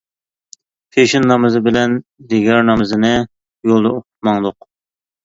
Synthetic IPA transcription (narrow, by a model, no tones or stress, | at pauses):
pʰeʃinːɑmɨzɨbɪlɛnd̪eɡʲɑɾnɑmɨzɨnɨ | jolˠd̪ɑoqʰʊ̥t̪̚mɑŋd̪ʊq